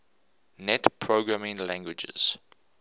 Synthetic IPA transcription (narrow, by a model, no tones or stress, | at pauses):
nɛtpʰɹoɡɹamɪ̃ŋlæ̃ŋɡwɪd͡ʒə̰z̥